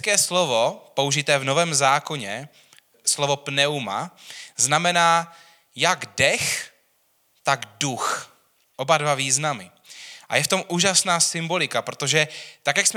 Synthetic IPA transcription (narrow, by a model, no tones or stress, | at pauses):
kɛːslovopo̞uʒɪt̪ɛːvno̞vɛːmzaːko̞ɲɛ | slovo̞pnɛuma̰znamɛnaː | jaɡdɛx | t̪aɡdux | ʔo̞badvaviːznamɪ | ʔa̰jɛft̪o̞mʔuːʒasnaːsɪmbo̞lɪkapɾot̪o̞ʒɛt̪akjaksm